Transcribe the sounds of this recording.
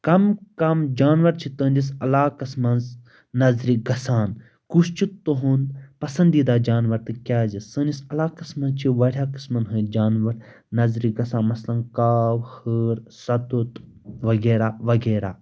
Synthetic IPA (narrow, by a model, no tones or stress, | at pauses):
kɐmkɐmd͡ʒaːnʋɐɾt͡ʃʰit̪əːnd͡ʒisɐlaːkɐsmɐnz | nɐzɾiɡɐsaːn | kust͡ʃʰit̪oɦunpɐsɐ̃nd̪iːd̪aːd͡ʒaːnʋɐɾt̪ɨkʲjaːzisəːnd͡ʒisɐlaːkɐsmɐnt͡ʃʰiʋɐɽʲjaːkɨ̥smɐnɦɨd͡ʒaːnʋɐɾ | nɐzɾiɡɐsaːnmɐslɐnkaːwhəːɾsɐt̪ut̪ | ʋɐɡeːɾaːʋɐɡeːɾaː